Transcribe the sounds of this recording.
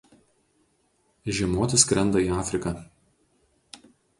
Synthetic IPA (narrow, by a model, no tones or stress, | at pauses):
ʒʲɛmoːt̪ʲɪskɾʲɛnd̪ɐiːɑːfʲɾʲɪkɐ